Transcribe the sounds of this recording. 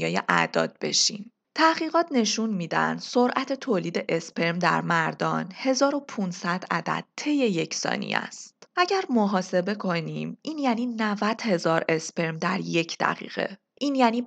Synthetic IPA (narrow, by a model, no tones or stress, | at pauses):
jɒːjeʔæ̰d̪ɒ̰ːd̪̚be̞̰ʃḭm | t̪ʰæχiːɣɒːt̪ʰne̞ʃunmiːd̪æ̰nd̪̥so̞ɾʔæt̪ʰe̞t̪ʰoːliːd̪e̞ʔe̞spʰeɾmd̪æ̰ɾmæɾd̪ɒːnhe̞zɒːɾo̞pʰunsæd̪̥æd̪æ̰d̪̥̚t̪ʰːe̞jːeje̞cʰsɒ̰ːnḭæ̰stt̪æɟæɾmoɦɒːse̞be̞kʰo̞niːmiːnjæniːnævæd̪̥he̞zɒːɾe̞spe̞ɾmd̪æɾje̞cʰd̪̥æ̰ɣḭːɣ̥e̞̰ | ʔiːnjæːniː